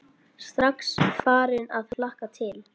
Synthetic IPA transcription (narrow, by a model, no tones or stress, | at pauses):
st̪ɾaksfaːɾɪnaðlahkat̪ʰɪl